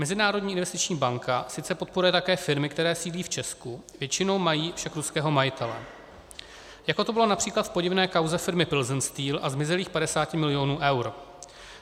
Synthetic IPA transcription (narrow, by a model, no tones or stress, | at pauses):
mɛzɪnaːɾo̞dɲiːʔɪnvɛst̪ɪt͡ʃɲiːbaŋkʰasɪt͡sɛpo̞t̪̚poɾujɛt̪akɛːfɪɾmɪkt̪ɛɾɛːsiːliːft͡ʃɛskuvjɛt͡ʃɪno̞wmajiːfʃakɾuskɛːɦo̞majɪt̪ʰɛlɛ̰ | jakot̪o̞bɪlo̞napr̥iːklat̪fpo̞ɟɪvnɛːkawzɛfɪɾmɪpɪlzɪnst̪iːlʔazmɪzɛliːxpadɛsaːcɪmɪlɪo̞nuːʔɛwɾ